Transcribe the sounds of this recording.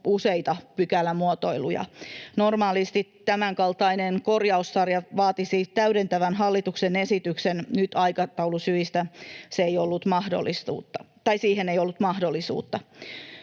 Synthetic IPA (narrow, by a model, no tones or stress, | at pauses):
useit̪ɑpykælːæmuot̪o̞ilṵjɑ̰normɑːlist̪ittæmæŋkɑlt̪ɑinenkorjɑussɑrjɑʋɑːt̪isit̪æyɾent̪æʋænɦɑlːit̪uksenesit̪yksennyt̪ɑikɑt̪ɑulusyist̪æseejolːut̪mɑhdo̰lːˑist̪ṵːt̪ːɑ | t̪ɑisiːhenejolːut̪mɑhdolːisṵːt̪ːɑ